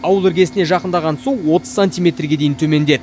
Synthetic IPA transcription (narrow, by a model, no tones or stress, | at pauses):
ɑwəlˠʏɾɡʲe̞sɪne̞ʒɑqənd̪ɑʁɑnsuwwo̞t̪ə̥zsanʲt̪ʲijmʲe̞t̪rɡʲe̞d̪e̞jɪnt̪ʰɵme̞nd̪e̞d̪ɪ